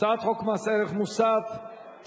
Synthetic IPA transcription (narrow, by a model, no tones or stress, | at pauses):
at̪χokmaseɾeχmusaf | t̪